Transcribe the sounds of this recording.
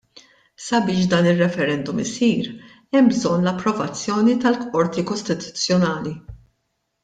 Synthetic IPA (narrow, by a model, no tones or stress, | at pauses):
sɐbɪːʃ̬d̪ɐːnɪrːɛfɛɾɛnd̪ʊmɪsiːɾ | ɛmbzɔnːlɐpːɾɔvɐt͡sːjɔːnit̪ɐlkɔɾt̪ikɔst̪ɪt̪ʊ̥t͡sːjɔnɐːli